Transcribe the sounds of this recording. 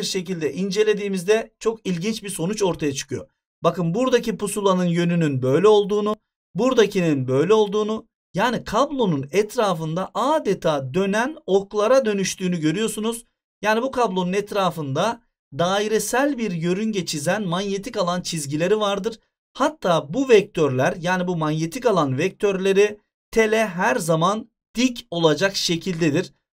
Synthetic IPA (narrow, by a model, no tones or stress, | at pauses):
iɾʃe̞cilʲd̪ɛʔind͡ʒe̞lʲe̞d̪iːmizd̪ɛt͡ʃʰo̞kilʲɟint͡ʃbiɾso̞nut͡ʃo̞ɾt̪ʰajat͡ʃʰɯ̥kʰɯjo̞̰ | bakɯnbuɾd̪acipusulˠanɯnjø̞nynynbø̞jlʲɛo̞lˠd̪uːnu | buɾd̪acʰininbø̞jlʲɛo̞lˠd̪uːnu | jaːnikʰablˠo̞nunɛt̪ʰɾaːfɯnd̪aʔaːd̪ɛt̪ʰaːd̪ø̞næno̞klˠaɾad̪ø̞nyʃt̪ʰyːnyɟø̞ɾyjo̞sunuz̥ | jaːnibukʰablˠo̞nunɛt̪ɾaːfɯnd̪a | d̪aːiɾɛsælʲbiɾjø̞ɾynɟet͡ʃʰizænmanje̞t̪ʰikalˠant͡ʃʰizɟilʲe̞ɾivaɾd̪ɯɾ̥ | hat̪ʰːaːbuvɛc̚t̪ʰøɾlʲæɾjaːnibumanje̞t̪ʰikalˠanvɛc̚t̪ʰøɾlʲe̞ɾi | t̪ʰe̞lʲɛɦæɾzaman | d̪̥ico̞lˠad͡ʒakʃe̞cʰilʲd̪ed̪iɾ̥